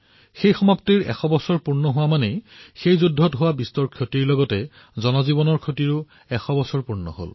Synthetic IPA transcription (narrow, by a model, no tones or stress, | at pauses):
xejxɔmaptiɹɛ̰xɔbɔsɔɹpuɹnɔɦʊwamanɛxejzudʱːɔtɦʊwabistɔɹkʰjotiɹlɔɡɔtɛ | zɔnɔzibɔnɔɹkʰjotiɹʊ | ɛxɔbɔsɔɹpuɹnɔ̰ɦo̰l